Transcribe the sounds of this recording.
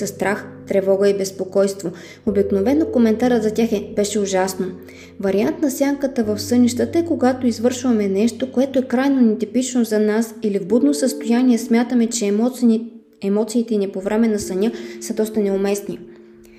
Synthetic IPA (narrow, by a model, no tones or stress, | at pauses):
sɐst̪ɾaxt̪ɾɛvɔɡəibɛspokɔjst̪vo | obiknovɛnokomɛnt̪aɾəzɐt̪ʲaxɛbɛʃɛʊʒasno | vɐɾiant̪nɐsʲjaŋkət̪əvɐfsɤniʃt̪ət̪əɛkoɡat̪oizvɤɾʃvɐmɛnɛʃt̪okoɛt̪oɛkɾajnonit̪ipit͡ʃnozɐnasilivbud̪nosəst̪ojanʲiɛsmʲjat̪əmɛt͡ʃɛ | ɛmɔt̪siːt̪ɛnipovɾɛmɛnɐsɐnʲɤsəd̪ɔst̪ənɛomɛsni